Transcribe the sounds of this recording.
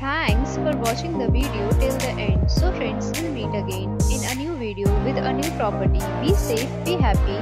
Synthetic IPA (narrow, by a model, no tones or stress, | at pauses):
t̪ʰæ̃ŋksfɔɾʋɔt͡ʃɪ̃ŋd̪əʋiːɖioʈɪld̪əʔɛ̃ɳɖsoːfɾẽɳɖsɪ̃lmiːʈəɡẽːnɪ̃nənjuːʋiːɖioːʋɪd̪ənjuːpɾɔpəɾʈibiːseːfbiːɦæpi